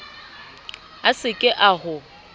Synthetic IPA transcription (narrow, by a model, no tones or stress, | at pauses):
asɪkʼɪʔahʊ